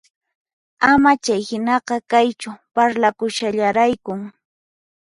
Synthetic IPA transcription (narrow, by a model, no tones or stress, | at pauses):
amat͡ʃajhɪnɑqɑkajt͡ʃʊpaɾlakʊʃaʎaɾajkʊŋ